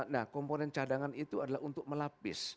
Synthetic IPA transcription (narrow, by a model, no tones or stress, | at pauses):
nahkɔmponɛnt͡ʃadaŋanit̪uadalaɦunt̪ʊk̚məlapɪ̰s